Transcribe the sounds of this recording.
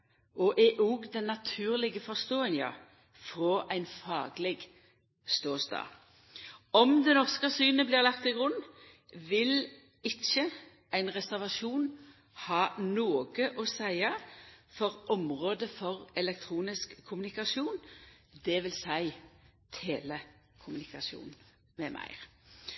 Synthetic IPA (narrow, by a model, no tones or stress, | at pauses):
ɔʔɛʔuːɡd̪ɛnːɑt̪ʰʉːʁlɪɡəfɔʁst̪oːɛŋjɑ̰ | fʁɔʔæɪnfɑːɡlɛɡ | st̪oːst̪ɑ̰ː | ɔmd̪ɛnɔʁskəsyːnəblɪːʁlɑkt̪ɪɡʁʉn | ʋɪl | ɪçːə | æɪnʁɛsæʁʋɑʃuːn | hɑːnoːɡəʔɔsæɪɑfɔʁʔɔmʁoːd̪əfɔʁɛlɛk̚t̪ʰʁuːnɪskʰːʊmʉnɪkɑʃuːnd̪ɛʋɪlsæɪt̪ʰeːlə | kʰʊmʉnɪkɑsṵːnn̩ | mɛmʔæ̰ɪ